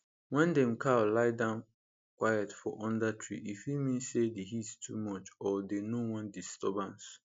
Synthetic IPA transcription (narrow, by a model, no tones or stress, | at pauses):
wɛ̃ndɛ̃mkʰawlaɪdãʊ̃n | kwajatfɔʔɔ̃ndatʰɹḭʔifjimĩnsediɦittʰṵmɔt͡ʃɔdenowɔ̃ndistɔbãns